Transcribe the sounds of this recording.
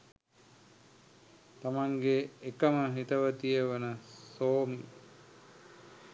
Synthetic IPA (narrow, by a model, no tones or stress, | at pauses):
t̪amaŋɡeːkəməɦit̪əʋət̪ijəʋənəsoːmi